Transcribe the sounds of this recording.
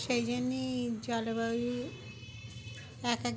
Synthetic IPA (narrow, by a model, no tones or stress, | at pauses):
ʃejd͡ʑonːid͡ʑɔlobabi | ɛka